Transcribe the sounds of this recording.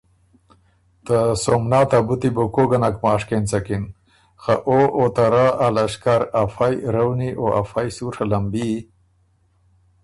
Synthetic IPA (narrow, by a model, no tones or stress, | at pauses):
t̪əsomnaːt̪abut̪ibokoɡɐnakmaːʂkent͡sɐkin | xaʔoʔot̪aɾaːalɐʂkaɾafajɾɐwniʔoʔa̰fajsuʂʰalɐmbi